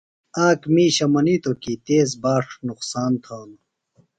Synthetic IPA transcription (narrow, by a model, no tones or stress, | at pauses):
aːkmiːɕɐmɐniːt̪okit̪eːzbaːʂnuqsaːnt̪ʰaːn